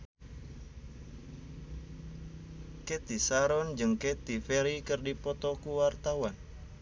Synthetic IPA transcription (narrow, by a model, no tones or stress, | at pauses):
kɛt̪isaɾɔnd͡ʒɨŋkɛt̪ifɛɾikɨrdipɔt̪ɔkuwart̪awan